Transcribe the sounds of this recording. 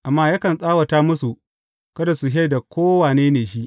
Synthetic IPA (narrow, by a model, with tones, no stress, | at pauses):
ʔa˨mːaː˦ja˦kɐ˨nsʼaː˦wɐ˨taː˦mʊ˦su˨ | kɐ˦da˨su˨ɦa˦jda˨kʷoː˦waː˨neː˦neː˨ʃi˦ʔ